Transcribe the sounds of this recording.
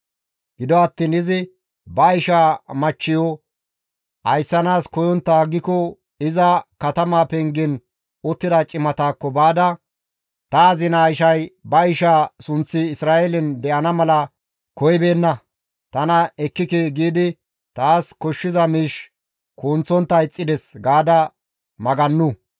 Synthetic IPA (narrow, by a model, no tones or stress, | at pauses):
ɡ̥ɪd̪ɔɐt̪ːiːnɪzɪ | bɐɪʃaːmɐt͡ʃːɪjɔ | ʔɐjsːɐnaːskɔjɔnt̪ːɐːɡːɪkɔ | ɪzɐkɐt̪ɐmaːpɛŋɡɪn | ʊt̪ːɪd̪ɐt͡ʃʼɪmɐt̪aːkːɔbaːd̪ɐ | t̪ɐːzɪnaːɪʃɐjbɐɪʃaːsʊnt͡sːɪːsɾaːʔɛlɪnd̪ɛʔɐnɐmɐlɐ | kɔjbe̞ːnːɐ | t̪ɐnɐɛkːɪkeːɡiːd̪ɪ | t̪aːskɔʃːɪzɐmiːʃ | kuːnt͡sːɔnt̪ːɐɪt͡sʼːɪd̪ɛsɡaːd̪ɐ | mɐɡɐnːʊ